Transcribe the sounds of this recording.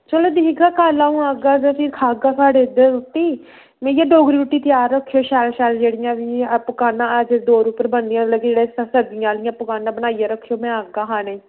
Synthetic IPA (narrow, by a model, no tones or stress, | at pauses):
t͡ʃəloːd̪iːɡaːkaːlaːũːaːɡaːzeːpʰɪɾkʰaːɡaːsaːɖeːd̪əɾut̪ːiː | mɛ̃ːjãːɖoːɡɾiːʊʈːiːt̪ɪjaːɾːəkʰːjoːʃɛːlʃɛːld͡ʒeːɽɪjãːʋiːpəkaːnãːd͡ʒd̪oːɾuːpəɾbənd̪jãːləɡed͡ʒeːɽeːssəd̪ɪjãːlɪjãːpəkaːnaːbənaːijaːɾəkʰːjoːmɛ̃ːaːɡaːɦãːnĩː